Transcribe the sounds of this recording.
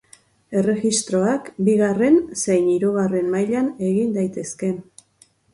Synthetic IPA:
e̞re̞ɣist̪ɾo̞akbiɣ̞are̞nsejniɾuɣare̞mmajʎane̞ɣind̪ajt̪e̞ske̞

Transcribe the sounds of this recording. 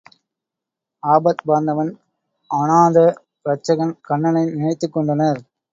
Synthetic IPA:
aːbɐt̪baːnd̪ɐʋɐn | ɐnaːðɐ | ɾɐt͡ʃːɐɣɐnkɐɳːɐnɐɪnɪɳɐɪt̪ːɯkːɔɳɖɐnɐɾ

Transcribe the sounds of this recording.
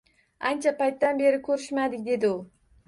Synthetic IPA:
ant͡ʃʰapajt̪ːanbe̞ɾɪkʲʰɵɾɪʃmad̪ɪk̚ʲd̪e̞d̪ɪʊ

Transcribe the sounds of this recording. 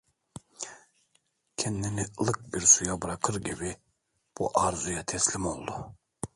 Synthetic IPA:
kʲʰɛnd̪inilˠɯk̚biɾsujabɯɾɑqʰɯɾɟʲibi | b̥ṵʔɑɾzujɑt̪ʰɛslimolˠd̪u

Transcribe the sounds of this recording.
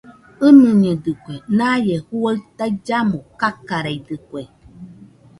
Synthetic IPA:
ɨnɨ̃ɲədɨkʷenajehuət̪aid͡ʒamokakaɾejdɨkʷe

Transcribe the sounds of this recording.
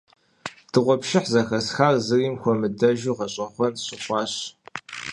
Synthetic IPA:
d̥ʰɨʁʷɔpʃɪħzɐxɐsxaːrzɨriːmxʷɔmɨdɐʒuːʁɐɕʼɐχʷɔnɕɪχʷɑːɕ

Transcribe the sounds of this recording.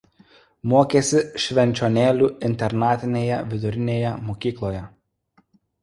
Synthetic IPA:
moːkʲeːsʲɪʃʲʋʲɛnʲt͡ʃʲoːnʲeːlʲuːɪnʲt̪ʲɛɾnɑːt̪ʲɪnʲeːjɛʋʲɪd̪ʊɾʲɪnʲeːjɛmoːkʲiːklˠoːjɛ

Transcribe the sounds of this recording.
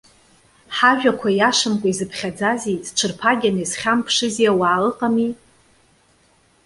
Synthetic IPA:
ħaʒᶣakʷʰajaʂɨmkʷʼaizɨpʰχʲad͡zaziz̥t͡ʃʷʰɨrpʰaɡʲanɨsχʲampʰʂɨzijawaːlɨqʼami

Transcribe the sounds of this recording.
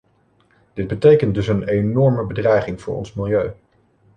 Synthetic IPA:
d̥ɪd̚bətejkəntdɵsənenɔɹməbədrɛjχɪŋv̥ʊːɹɔ̰nsmɪlˠjøɥ

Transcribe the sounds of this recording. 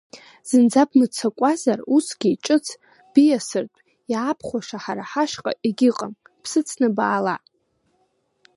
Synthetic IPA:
z̥ɨnd͡zabʰmɨt͡sʰakʷʼazarusɡʲiʈ͡ʂʼɨt͡sʰ | b̥ijasɨrtʷʼ | jaːpʰχʷaʂaħaɾaħaʃqʼa̰ʔeɡʲɪqʼəm | pʰsɨt͡sʰnɨbaːla

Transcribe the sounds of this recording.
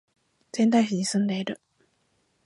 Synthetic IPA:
z̥ẽnt̪aiçiɲisɨ̃nd̪e̞iɾɯ̟

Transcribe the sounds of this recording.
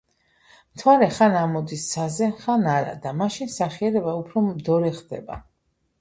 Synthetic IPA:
mt̪ʰwaɾɛχanamɔd̪isːazɛχanaɾa̰d̪amaʃinsaχiɛɾɛbaupʰɾɔmd̪ɔɾɛχd̪ɛ̰ba̰

